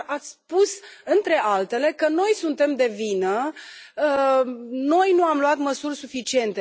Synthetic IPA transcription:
at̪sʲspusɨnt̪ɾe̞ʔalt̪e̞le̞kəno̞jsunt̪e̞md̪e̞vinə | no̞jnuamluat̪məsurʲsufit͡ʃie̞nt̪e

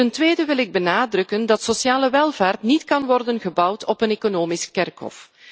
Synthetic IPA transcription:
təntʋeːdəʋɪlɪɡ̚bənaːdrɵkəndɑtsosjaːləʋɛlˠvaːrtnitkɑnʋɔrdənɣəbʌwtʰɔpəneːkonoːmiskɛrkɦɔ̰f

